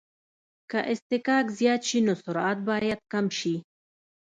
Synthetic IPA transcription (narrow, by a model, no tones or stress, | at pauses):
kaʔɪst̪ɪkɑːkzjɑːt̪ʃinosʊɾɑt̪̚bɑːjad̪̚kamʃi